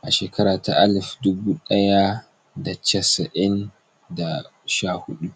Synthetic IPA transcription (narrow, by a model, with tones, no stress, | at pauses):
ʔa˨ʃeː˨kʰɐ˦ɾaː˨ta˨ʔa˦lfdʊ˦buː˦ɗɐ˦ja˦ | da˨t͡ʃɐ˦sɐ˨ʔɪ˦n | da˨ | ʃaː˦˨hʊ˦ɗu˦